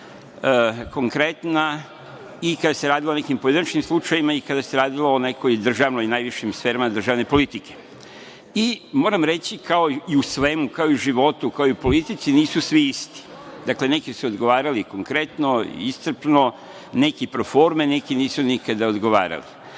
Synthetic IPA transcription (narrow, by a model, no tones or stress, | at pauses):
ko̞ŋkɾe̞t̪na | ikad̪ase̞ɾaːd̪ilone̞kimpojed̪inat͡ʃnimslˠut͡ʃajimaikad̪ase̞ɾaːd̪iloːne̞ko̞jd̪r̩ʒaːʋnojinajʋiʃimsfe̞ːɾamad̪r̩ʒaːʋne̞po̞lit̪ike̞̥ | imo̞ːɾamɾe̞t͡ɕikʰao̞iusʋe̞mukaoiuʒiʋo̞t̪ukaoijupo̞lit̪it̪siniːsusʋiist̪i̥ | d̪akle̞ne̞kisuod̪ɡo̞ʋaːɾaliko̞ŋkɾe̞t̪no̞ḭist̪r̩pno̞ | ne̞kipɾofo̞ɾmene̞kiniːsunikad̪aod̪ɡoʋa̰ːɾa̰li